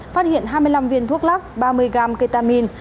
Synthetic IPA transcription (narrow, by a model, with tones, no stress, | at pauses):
faː˦˥t̚hḭ˧˨ənɦaː˧jmɨ˧əjla˧mvi˧ənt̪ʰu˦˥ək̚laː˦˥k̚ɓaː˧mɨ˧əjɣaː˧˩mkə˧t̪aː˧mi˧n